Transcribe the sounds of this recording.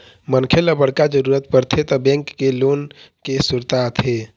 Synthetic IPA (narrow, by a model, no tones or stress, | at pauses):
mənkʰeləbəɽkad͡ʒəɾuɾət̪̚pəɾt̪ʰet̪ɔbɛ̃ŋkːelon | kesuɾt̪at̪ʰe